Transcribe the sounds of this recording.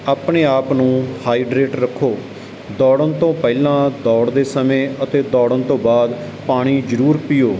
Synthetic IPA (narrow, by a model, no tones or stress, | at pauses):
aːpɳeːaːpnũːhaːiːɖɾeːʈɾəkʰːoː | d̪ɔːɽənt̪õːpɛːlãːd̪ɔːɽd̪eːsəmẽːət̪eːd̪ɔːɽənt̪õːbaːd̪ | paːɽ̃iːd͡ʒəɾuːɾpɪjoː